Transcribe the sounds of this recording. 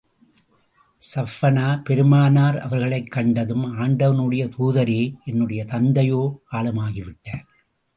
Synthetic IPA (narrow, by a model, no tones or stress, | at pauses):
sɐfːɐnaːpɛɾɯmaːnaːɾɐ̰ʋɐɾɣɐɭɐɪkːɐɳɖɐðɯmaːɳɖɐʋɐnɯɽɐjɐt̪uːðɐɾeːɛnːɯɽɐjɐt̪ɐnd̪ɐjoːkaːlɐmaːɣɪʋɪʈːɐːɾ